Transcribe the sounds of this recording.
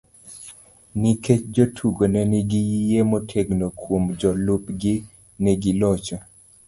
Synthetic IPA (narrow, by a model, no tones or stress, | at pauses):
niket͡ʃd͡ʒotʰuɡonɛnɪɡijijemotʰeɡnokʰwomd͡ʒɔlupɡɪ | nɛɡilɔt͡ʃɔ